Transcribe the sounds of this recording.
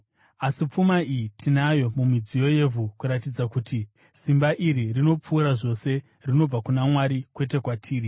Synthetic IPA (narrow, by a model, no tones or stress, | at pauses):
asip͡fumaiitʰinajo̞mumid͡zijo̞je̞vʱukuɾat̬id͡zakutʰi | simbaʔiɾirino̞p͡fuːɾaʐo̞se̞ | rino̞b͡vakunamwaɾikwe̞t̬e̞kwatʰiːɾi